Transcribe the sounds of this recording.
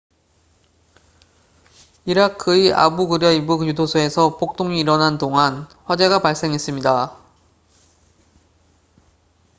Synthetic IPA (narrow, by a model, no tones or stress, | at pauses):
iɾakʰɯia̰buɡɯɾjʌibukjudosʰoe̞sʰʌpʰok̚t͈oŋiːɾʌnantoŋanɸwad͡ʑe̞ɣapaɭs͈e̞ŋɦe̞s͈ɯmɲida